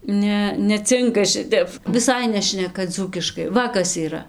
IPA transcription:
ˈnʲɛ nʲɛˈt͡sʲɪŋkɐ ˈʃʲɪtʲɛp ʋʲɪˈsɐɪ ˈnʲæːʃʲnʲɛkɐ ˈd͡zuːkʲɪʃkɐɪ ˈʋɐ kɐs iːˈrɐ

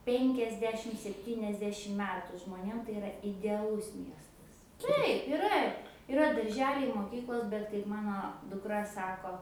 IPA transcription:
ˈpʲɛŋʲkʲɛzʲdʲɛʃʲɪm sʲɛpʲˈtʲiːnʲɛzʲdʲɛʃʲɪm ˈmʲæːtʊ ʒmoːˈnʲeːm tɐɪ ɪˈrɐ ɪdʲɛɐˈlˠʊs ˈmʲiɛstɐs ˈtɐɪp ɪˈrɐ ɪˈrɐ dɐrʲˈʒʲæːlʲɛɪ moːˈkʲiːklˠoːs bʲɛt kɐɪp ˈmɑːnoː dʊkˈrɐ ˈsɑːkoː

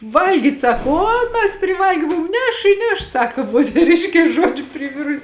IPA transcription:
ˈʋɐlʲɡʲiːtʲ ˈsɑːkoː ˈoː mʲɛs pʲrʲɪˈʋɐlʲɡʲeː ˈmʊm ˈnʲɛʃ ɪ ˈnʲɛʃ ˈsɑːkoː moːtʲɛˈrʲɪʃʲkʲeːs ˈʒuɔd͡ʒʲʊ pʲrʲɪˈʋʲɪrʊsʲɪ

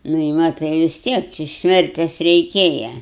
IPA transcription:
nʊ ɪ ˈmɑːtɐɪ ʋʲɪs ˈtʲiɛk t͡ʃʲɪ ˈsʲmʲɛrʲtʲɛs rʲɛɪˈkʲeːjɛ

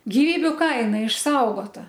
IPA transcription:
ɡʲɪˈʋʲiːbʲʊ ˈkɐɪnɐ ɪʃˈsɐʊɡoːtɐ

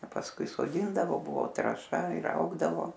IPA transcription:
ɐ pɐsˈkʊɪ soːˈdʲiːndɐʋoː ˈbʊʋoː trɐˈʃɐ ɪr ˈɐʊɡdɐʋoː

